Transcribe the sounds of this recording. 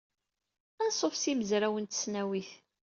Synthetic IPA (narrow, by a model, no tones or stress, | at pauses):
ænsˤofsiməzɾæwənt̪ə̥snæwiθ